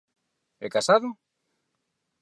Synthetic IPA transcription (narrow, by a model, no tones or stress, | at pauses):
ɛ̰kasaðo